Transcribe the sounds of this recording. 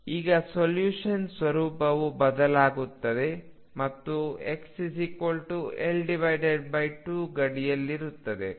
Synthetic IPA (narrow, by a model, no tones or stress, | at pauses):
iːɡɐsoljuːʂɐnsʋɐɾuːpɐʋubɐd̪ɐlaːɡut̪ːɐd̪e̞ | mɐt̪ːueksisikoːlʈuelɖiʋɐjɖeɖ̚bɐjʈuːɡɐɽijɐlːiɾut̪ːɐd̪e̞